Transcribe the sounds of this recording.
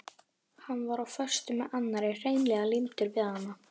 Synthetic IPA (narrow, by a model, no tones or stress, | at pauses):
hanːvaɾawfœr̥st̪ʏmɛanːaɾɪr̥ejnlɛɣalimt̪ʏɾvɪːðhanːa